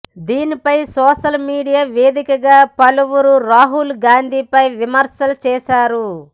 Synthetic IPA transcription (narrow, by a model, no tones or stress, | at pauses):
d̪iːnipɐjsɔːʃɐlmiːɽijaːʋeːd̪ikɐɡaːpɐluwuɾuɾaːɦulɡaːnd̪ʱiːpɐjʋimɐɾsɐlɐt͡ʃɛːʃaːɾu